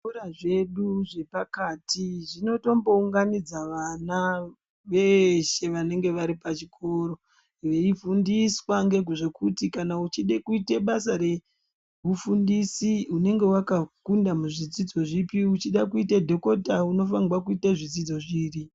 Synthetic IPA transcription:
uɾaʐe̞ɗuʐe̞pakaːtʰiʐino̞to̞mbo̞uŋɡanid͡zaʋana | ʋe̞ʃe̞ʋane̞ŋɡe̞ʋaɾipat͡ʃikʰo̞ɾo̞ | iʋeifundiswaŋɡe̞ɡuʐe̞kutikanaut͡ʃiɗekuiteɓasaɾe̞ | ʋufundisiune̞ŋɡe̞wakakundamuʐid͡zid͡zo̞ʐipiut͡ʃiɗakuitedʱo̞ko̞tauno̞faŋɡwak̬uitaʐid͡zid͡zo̞ʐiːri

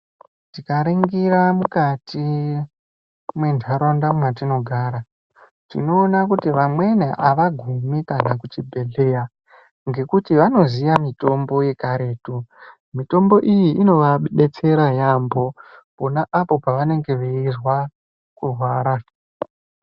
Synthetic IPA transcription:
tikaɾiŋɡiɾamukati | mwe̞ndʱaɾondamwatino̞ɡʱaɾa | tḭno̞ːnakutiʋamwe̞neʔaʋaɡʱumikanakut͡ʃibʱe̞ɮe̞ja | ŋɡe̞kutiʋano̞zijamito̞mbo̞je̞kaɾe̞ːtu | mito̞mbo̞ʔijiʔino̞ʋaɓeɓe̞t͡se̞ɾajambo̞po̞naʔapo̞paʋane̞ŋɡe̞ʋeirwa | kurwaːɾa

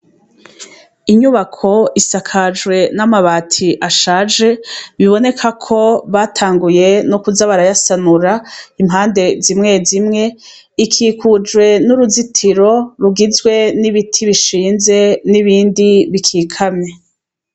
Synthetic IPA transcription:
iɲuβakʰo̞isakʰad͡ʒɡwe̞namaβaːtʰiʔaʃaːd͡ʒe̞βiβo̞ne̞kʰakʰo̞βatʰaːŋɡuje̞nokuzaβaɾajasanuɾaimɦaːnde̞zimŋe̞zimŋe̞ | ikʰiːkʰud͡ʒwe̞nuɾuzitʰiɾo̞ɾuɡizwe̞niβitʰiβiʃiːnze̞niβiːndiβikʰiːkʰamɲe̞

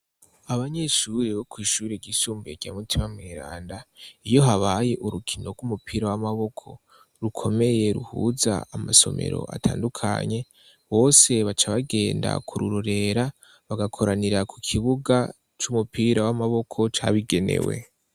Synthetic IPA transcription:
aβaɲe̞ʃuɾeβokwiːʃuːɾeɟiʃuːmbeɡ̥amutʰimamŋiːɾa̰ːndaijo̞ɦaβaje̞ʔuɾukʰino̞ɡumupʰiːɾawamaβo̞kʰo̞ | ɾukʰo̞me̞je̞ɾuhuza̰amaso̞̰me̞̰ɾo̞̰ʔa̰tʰa̰ːndukʰa̰ɲe̞ | βo̞ːse̞βat͡ʃaβaɡe̞ːnda̰kʰuɾuɾoɾe̞ɾa | βaɡakʰo̞ɾaniɾakukʰiβuɡa | t͡ʃumupiːɾawamaβo̞kʰo̞t͡ʃaβiɡe̞ne̞̰we̞̰

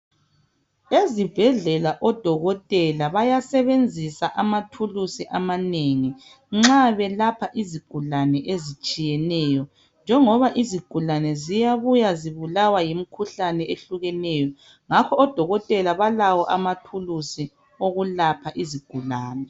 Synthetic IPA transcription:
ezib̥ʱɛɮɛlaʔɔd̥ʱɔɣɔtʼɛlaβajasɛβend͡zʱisaʔamatʰulusiʔamaneŋi | ŋ͡ǁaβɛlapʰaʔiziɡ̥ʱulanɛʔezit͡ʃʼijɛnɛjɔ | nd͡ʒʱɛŋɔβaʔiziɡ̥ʱulanɛzijaβujaziβulawajim̩kʰuɬanɛʔeɬuɣɛnɛjɔ | ŋakʰɔːd̥ʱɔɣɔtʼɛlaβalawɔʔamatʰulusi | oɣulapʰaʔiziɡ̥ʱulaːnɛ

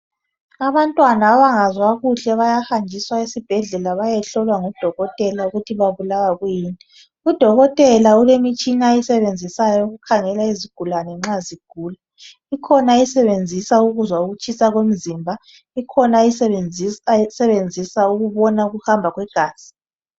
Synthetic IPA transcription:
aβantʼwanaːβaŋazwaɣuɬɛβajahand͡ʒʱiswaisib̥ʱɛɮɛlaβajɛɬɔlwaŋɔd̥ʱɔɣɔtʼɛlauɣutʰiβaβulawaɣujiːnɛ | ud̥ʱɔɣɔtʼɛlaulemit͡ʃʼiŋajisɛβend͡zʱisajɔuɣukʰaŋɛlaiziɡ̥ʱulanɛŋ͡ǁaziɡ̥ʱuːla | ikʰɔnaisɛβend͡zʱisauɣuzwauɣut͡ʃʰʼisaɣwem̩zimbʱa | ikʰɔnai | sɛβend͡zʱisauɣuβɔnauɣuhambʱaɣwɛɡ̥ʱaːsi̥

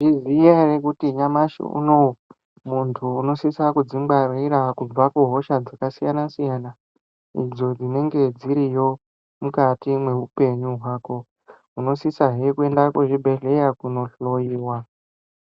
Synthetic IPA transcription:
ʐizijarekutiɲamaʃṵṵno̞ | muntʰuːno̞sisakud͡zimɡ͡barwiɾakub͡vakuɦo̞ʃad͡zakasijanasijana | ḭd͡zo̞d͡zine̞ŋɡe̞d͡ziɾijo̞ | mukatimwe̞ɦupe̞ɲuɦwaːko̞ | uno̞sisaɦekue̞ndakweʐibʱe̞ɮe̞jakuno̞ɬo̞jiːwa

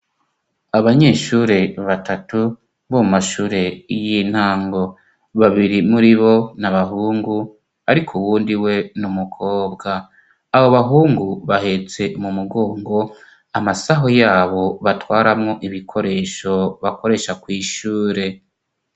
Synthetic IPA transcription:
aβaɲe̞ʃuːɾe̞βatatu | βomumaʃuːɾe̞jin̥haːŋɡo̞ | βaβiɾimuɾiβo̞naβaɦuːŋɡu | aɾikʰuwuːndiwe̞numukʰo̞ːbɡaː | βoβaɦuːŋɡuβahe̞t͡se̞mumuɡo̞ːŋɡo̞ | amasaɦojaːβo̞βatwaːɾamŋoʔiβikʰo̞ɾe̞ːʃo̞βako̞ɾe̞ʃakwiːʃuːɾe̞

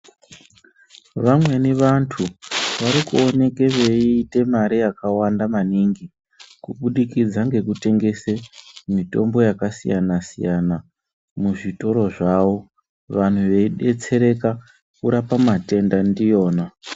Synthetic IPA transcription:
ʋamwe̞neʋantʰuʋaɾikuo̞ne̞ke̞ʋe̞iːte̞maɾijakawandamaniŋɡi | kuɓuɗikid͡zaŋɡe̞kute̞ŋɡe̞semito̞̰mbo̞jakasḭjanasḭjana | muʐito̞ɾo̞ʐaʋo̞ | ʋan̤uʋe̞iɗe̞t͡se̞ɾe̞ka | kuɾapamate̞ndandijo̞ːna

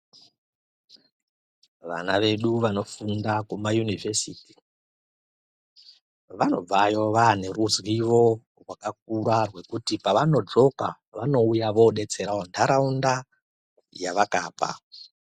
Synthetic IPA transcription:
ʋa̰naʋe̞ɗuʋano̞fundakumajunivʱesiːti̥ | ʋano̞̰b͡vajo̞ʋane̞ruzwiʋo̞ | rwakak̚uɾarwe̞kutipaʋano̞d͡ʐo̞ka | ʋano̞ujaʋo̞ɗe̞t͡se̞ɾaondʰaɾaunda | jaʋaka̰ːpa̰

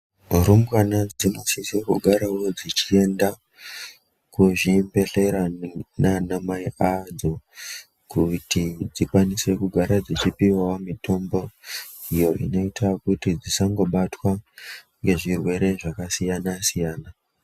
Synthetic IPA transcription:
rumbwanad͡zinosisekuɡʱaɾawo̞d͡zit͡ʃie̞nda | kuʐimbe̞ɬe̞ɾananamaiad͡zo̞ | kutid͡zikwanise̞kuɡʱaɾad͡zit͡ʃipiwawamitʰo̞mbo̞ | ijo̞ʔḭno̞itakutid͡zisaŋɡo̞ɓatwa | ŋɡe̞ʐirwe̞ɾe̞ʐakasijanasijaːna

